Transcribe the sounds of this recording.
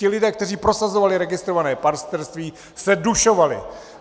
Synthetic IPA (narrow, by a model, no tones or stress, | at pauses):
ɪlɪdɛːk̚t̪ɛr̝iːpɾo̞sazo̞valɪɾɛɡɪst̪ɾo̞vanɛːpaɾst̪ɛɾst̪viː | sɛduʃo̞valɪ̰